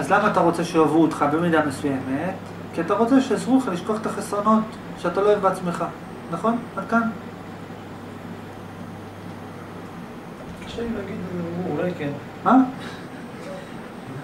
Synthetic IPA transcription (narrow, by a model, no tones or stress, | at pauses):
azlamaːt̪aʁo̞t͡se̞ʃejavuːt̪χabe̞mid̪ame̞suje̞me̞t | kiat̪aʁo̞t͡se̞ʃeazʁuleχaliʃkoaχet̪aχesʁono̞t | ʃeat̪aloevbeat͡sme̞χa | naχo̞nadkan | kḁʃelilaɡid̪uulajken | ma